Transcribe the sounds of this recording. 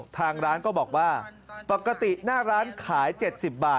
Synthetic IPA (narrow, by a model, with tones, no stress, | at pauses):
t̪ʰaː˧ŋɾaː˦˥nkɔː˥˩bɔː˨˩k̚waː˥˩pa˨˩ka˧t̪i˨˩naː˥˩ɾaː˦˥nkʰaː˩˦jt͡ɕe˨˩t̪̚si˨˩p̚baː˨˩